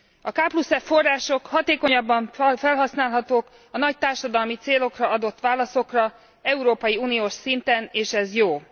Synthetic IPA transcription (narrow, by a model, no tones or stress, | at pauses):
ɒkaːplusɛffo̞rːaːʃo̞khɒt̪eːko̞ɲɒbːɒɱfɛlɦɒsnaːlɦɒt̪oːk | ɒnɒc̚t̪aːrʃɒd̪ɒlmit̪seːlo̞krɒɒd̪o̞t̪ːʋaːlɒso̞krɒ | ɛuɾoːpɒjiuːnijoːʃsint̪ɛneːʃɛzjoː